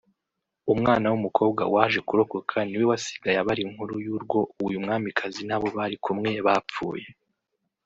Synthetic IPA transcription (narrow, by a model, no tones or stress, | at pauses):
umŋaːnawumukʰo̞ːb̚ɡa̰waʒe̞kuɾo̞ko̞kʰaniwewasi̥ɡajaβaɾiŋhuɾujuːɾɡwo̞ʔuwujumŋaːmikʰazinaβo̞βaɾikumŋe̞βap͡fṵːje̞